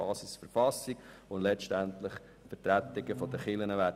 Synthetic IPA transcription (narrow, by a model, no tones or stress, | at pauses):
ɑːsɪsfəɾfɑsiɡ̥ʊndlɛt͡ʃtænt̪lɪχ | fətɾæt̪ɪɡəfɔd̥̪əχɪlənəʋæː